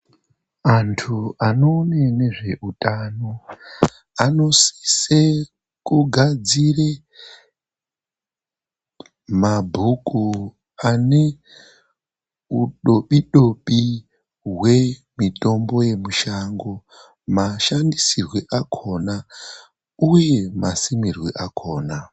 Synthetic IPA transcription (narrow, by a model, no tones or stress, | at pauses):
antʰuano̞ːnene̞ʐe̞ʔutano̞ | ano̞si̥se | kuɡʱad͡zire | mabʱuku | ane̞ | uɗoɓiɗo̞ɓi | ɦwe̞mito̞mbo̞je̞muʃaŋɡo̞ | maʃandisirweʔakʰo̞na | uje̞masimirwḛʔakʰo̞ːna